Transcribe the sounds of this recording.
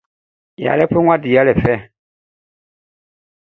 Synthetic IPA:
ja̰ː˨lɛ˦pe˦ŋʷwʷã˦di˨a˦lɛ˨fɛ˦

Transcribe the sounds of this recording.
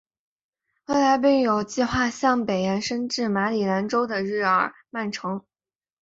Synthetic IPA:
we˥˩ɪla˧˥ɪp̬i˥˩ŋjo˨˩ʊt͡ɕi˥˧xwa˥˧ɕjɑ˥˩ŋpe˨˩ɪjɛ˧˥nʂə˥nʈ͡ʂɻ̩˥˩ma˧˥li˨˩la˧˥nʈ͡ʂo˥ʊd̪ə˨ɻɻ̩˥˩ə˞˨˩ | ma˥˩nʈ͡ʂʰɤ˧˥ŋ

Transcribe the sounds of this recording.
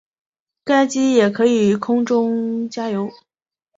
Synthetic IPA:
ka˥ɪt͡ɕi˥jɛ˨˩kʰɤ˧˥i˨˩kʰʊ˥ŋʈ͡ʂʊ˥ŋt͡ɕja˥jo˧˥ʊ

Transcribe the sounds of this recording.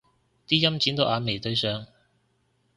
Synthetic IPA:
t̪iː˥jɐ˥mt͡siː˨˥nt̪o˨˧wʔaː˨˧me˨˩jt̪ɵ˧ɥsœː˨ŋ

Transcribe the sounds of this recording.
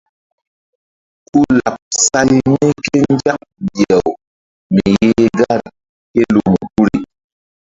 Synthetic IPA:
ku˦la˨p̚sa˦jne˦ke˦n˦d͡ʒa˦k̚bjɛ˨w | mi˨je˦ɡa˦˨ɾ | ke˦lu˨mu˨ku˦ɾi˨

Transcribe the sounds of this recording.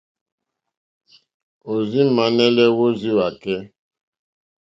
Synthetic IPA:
o˨zi˦ma˨˦nɛ˦lɛ˦wo˦zi˦wa˨kɛ˦

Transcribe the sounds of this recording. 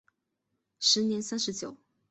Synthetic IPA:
ʂɻ̩˧˥njɛ˧˥nsa˥nʂɻ̩˧˥t͡ɕjo˨˩˦ʊ

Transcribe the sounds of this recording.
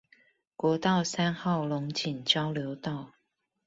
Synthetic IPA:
kwɔ˧˥t̪ɑ˥˩ʊsa˥nxɑ˥˩ʊlʊ˧˥ŋt͡ɕi˨˩ŋt͡ɕjɑ˥ʊljo˧˦ʊt̪ɑ˥˩ʊ

